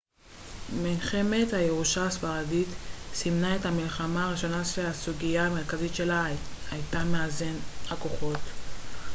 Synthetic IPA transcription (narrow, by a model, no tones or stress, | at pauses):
minχe̞methaje̞ʁuʃaasfaʁaditsimnae̞thamilχamaːʁiʃo̞naʃeasuɡijaːme̞ʁkazitʃe̞lahajtameaze̞nako̞χo̞t